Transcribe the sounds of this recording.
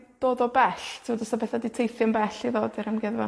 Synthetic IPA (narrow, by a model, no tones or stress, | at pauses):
d̥oːdɔbɛɬtʰɪodɔsɔbɛθaditʰejθjɔnbɛɬiðoːdiɾəmɡɛðvɔ